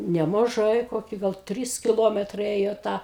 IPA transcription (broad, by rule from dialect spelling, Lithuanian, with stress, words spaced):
nʲɛmɐˈʒɐɪ ˈkoːkʲɪ ɡɐlˠ ˈtʲrʲiːs kʲɪˈlˠoːmʲɛtrɐɪ ˈeːjoː ˈtɐ